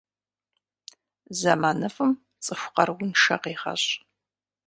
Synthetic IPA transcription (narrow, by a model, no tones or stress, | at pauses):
zɐmaːnɨfɨm | t͡sʼɨxʷqɐrɡʷʊnʃɐ̰qeːχɐ̰ɕʼ